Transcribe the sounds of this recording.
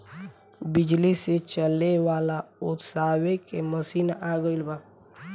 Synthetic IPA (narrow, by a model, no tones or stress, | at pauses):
bɪd͡ʒliset͡ʃəlewaːlaʊt̪saːwekeməsiːnaaːɡəilbaː